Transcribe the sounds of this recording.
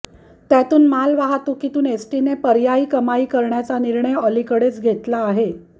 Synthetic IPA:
t̪jat̪uːnmalʋaɦat̪ukit̪uːnesʈinepəɾjaiːkəmaiːkəɾɳjat͡saniɾɳəjəlikəɽet͡sɡʱet̪laːɦe

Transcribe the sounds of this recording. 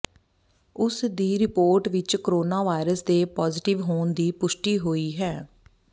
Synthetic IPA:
ʊsd̪iːɾɪpoːɾʈʋɪt͡ʃkəɾoːnaːʋaːɪɾəsd̪eːpɔːzɪʈɪʋɦoːnd̪iːpʊʃʈiːɦoːiːɦɛː

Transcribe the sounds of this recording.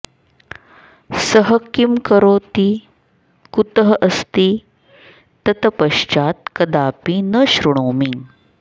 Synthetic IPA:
səɦəkimkəɾoːt̪i | kut̪əɦəʔɐst̪iː | t̪ɐt̪ɐpɐʃt͡ʃaːt̪kɐd̪aːpinəɕɾuɳoːmiŋɡ

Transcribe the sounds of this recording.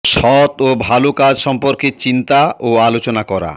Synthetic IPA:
ʃɔt̪obʱalokad͡ʑʃɔmpoɾket͡ɕint̪aʔoalot͡ɕonakɔɾa̰

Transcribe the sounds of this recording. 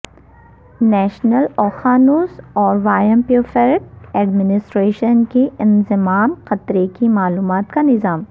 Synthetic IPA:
nɛːʃnəlɔːxaːnoːsɔːɾʋaːjə̃mpiofɛɾk̚ɛːɖmɪnɪsʈɾeːʃənkeɪ̃nzɪmaːmqɐt̪ɾekimaːluːmaːt̪kanɪzaːm

